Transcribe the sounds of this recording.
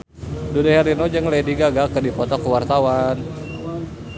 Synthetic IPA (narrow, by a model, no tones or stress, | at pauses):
dudeɦɛɾinod͡ʒəŋlediɡaɡakərdipɔt̪ɔkuwart̪awan